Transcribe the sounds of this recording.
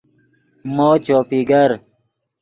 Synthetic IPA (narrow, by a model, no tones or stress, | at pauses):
moːt͡ɕoːpiːɡɐɾ